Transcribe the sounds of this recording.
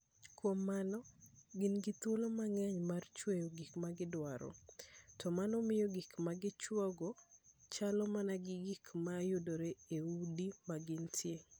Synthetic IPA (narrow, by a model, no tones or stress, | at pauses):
kwomːanɔɡɪnɡɪt̪wolomaŋɛɲmart͡ʃwejoɡikmaɡɪdwaɾɔ̰tɔmanɔmɪjɔɡikmaɡɪt͡ʃwɔɡɔt͡ʃalɔmanaɡɪɡikmajʊdoɾeeudimaɡɪntʰjeŋ